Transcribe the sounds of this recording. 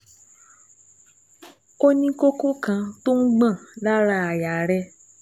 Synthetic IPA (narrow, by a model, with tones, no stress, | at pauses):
o˦nĩ˦ko˦ko˦kã˧to˦n̩˦ɡ͡bã˦˨la˦ɾa˧˨a˨ja˨ɾɛ˧